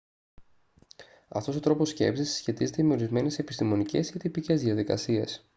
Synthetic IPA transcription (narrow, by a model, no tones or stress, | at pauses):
ɐ̰ft̪o̞sot̪ɾo̞po̞sce̞̰psisːçe̞t̪ize̞t̪eme̞o̞ɾizme̞ne̞se̞pi̥st̪imo̞nice̞scet̪ipice̞zðiɐðikɐ̰sie̞s